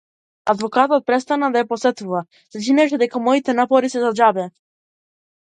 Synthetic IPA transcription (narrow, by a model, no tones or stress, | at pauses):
ad̪vɔkat̪ɔt̪̚pɾɛst̪anad̪ajapɔsɛt̪uva | sat͡ʃinɛʃɛd̪ɛkamɔit̪ɛnapɔɾisɛzad͡ʒabɛ